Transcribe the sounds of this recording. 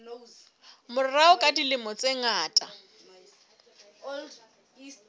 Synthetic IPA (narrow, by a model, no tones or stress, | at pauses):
mʊraʊkʼadilɪmɔt͡sʼeŋaːtʼa